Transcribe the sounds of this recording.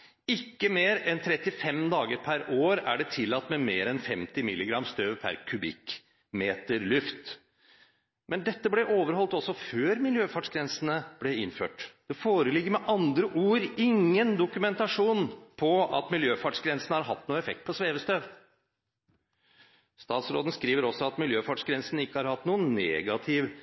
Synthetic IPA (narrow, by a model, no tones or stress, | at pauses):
ɪkːəmeːɾɛnt̪ʰɾɛt̪ːɪfɛmd̪ɑːɡəɾpʰæɾoːɾæ̰ɖɛt̪ʰɪlːɑt̪ːmɛmeːɾɛnfɛmt̪ɪmɪlːɪɡɾɑmːst̪øːʋpʰæ̰ɾkʰʉbɪ̰k | meːt̪əɾlʉft̪ | mɛnd̪ɛt̪ːəblɛʔoːʋəɾhɔlt̪ɔsːɔføːɾmɪljøːfɑʈʂɡɾɛnsənəb̥lɛɪnfø̰ːʈd̪̥ɛfoːɾəlɪɡːəɾmɛʔɑnd̪ɾəʔuːɾɪŋːənd̪ʊkʉmɛnt̪ɑʂuːnpʰɔɑ̰t̪mɪljøːfɑʈʂɡɾɛnsənəhɑɾɦɑt̪ːnuːəɛfɛk̚t̪̚pʰɔsʋeːʋəst̪øːʋ | st̪ɑːt̪sɾoːd̪n̩skɾiːʋəɾɔsːɔɑt̪mɪljøːfɑʈʂɡɾɛnsənɪkːəhɑɾhɑt̪ːnuːənːeːɡɑt̪ʰɪʋ